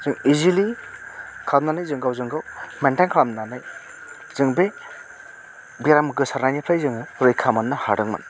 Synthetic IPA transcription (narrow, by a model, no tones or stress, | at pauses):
z̥ɯŋizili | kʰamnanajzɯŋɡawzɯŋɡawmentajnkʰɾamnanaj | zɯŋbe | biɾamɯɡɯsaɾnajnipʰajzɯŋɾɯjkʰamanːahaɾɯŋma̰n